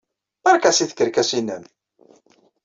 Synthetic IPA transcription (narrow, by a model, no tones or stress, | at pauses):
æɾˤkæsiθkːəɾkæsinən